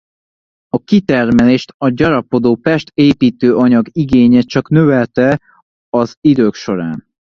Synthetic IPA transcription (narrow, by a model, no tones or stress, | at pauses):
ɒkit̪ɛrmɛleːʃt̪ɒɟɒɾɒpo̞d̪oːpɛʃt̪eːpiːt̪øːʔɒɲɒɡiɡeːɲeːt͡ʃɒknøvɛlt̪ɛ | ɒzid̪øːkʃo̞ɾa̰ːn